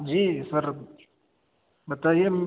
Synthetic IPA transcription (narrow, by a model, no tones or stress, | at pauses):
d͡ʒiːsɐɾ | bɐt̪aːijem